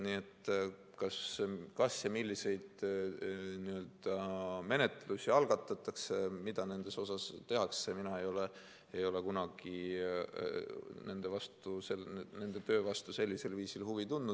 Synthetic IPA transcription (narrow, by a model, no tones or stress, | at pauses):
niːe̞t̪ː | kɑskɑsjɑmilʲːise̞jd̪̥ | niø̞ld̪̥ɑme̞ne̞t̪ːˑe̞lusʲiɑlɡ̥ɑt̪ˑːɑt̪ːˑɑksemid̪̥ɑne̞nd̪̥e̞so̞sɑst̪e̞ɦɑkseminɑe̞jo̞le | ejo̞le̞kunɑɡ̥i | ne̞nd̪̥e̞vɑst̪uselne̞nd̪̥et̪ø̞ːvɑst̪use̞lʲːise̞lviːsilhuvit̪und̪ud̪̥